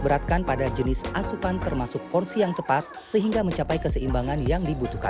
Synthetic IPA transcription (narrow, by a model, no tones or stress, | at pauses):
bəɾat̪̚kanpadad͡ʒənɪsasukant̪ərmasʊkːɔrsijaŋt̪əpat̪̚səɦiŋɡaməɲt͡ʃapajkəsəimbaŋanjaŋdibut̪uka̰n